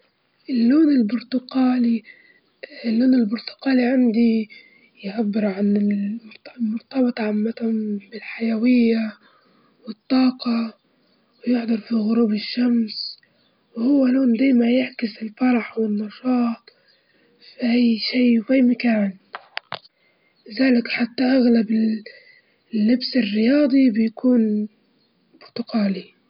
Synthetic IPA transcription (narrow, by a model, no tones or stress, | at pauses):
ʔɪlːoːnɪlbʊɾt̪ʊqaːli | lːoːnɪlbʊɾt̪ʊ̥qaːliʕand̪i | jʕabːɪɾʕanɪt̪mʊɾt̪ɑbɨt̪ˤʕamːat̪hʊmbɪlħajawɪjːa | wɪt̪ˤːɑːqɑ | wjʊħd̪ˤɑɾˤfiɣʊɾuːbɪʃːams | whʊwːaloːnd̪aːmajaʕkɪsɪlfɑɾˤɑħwɪnːɑʃɑːt̪ˤ | fʔajʃiːwʔajmakaːn | lɪzaːlɪkħat̪ːaʔaɣlabɪ | lːɪbsɪrːɪjɑːd̪ˤibɪjakʰuːn | bʊɾt̪ʊɡaːli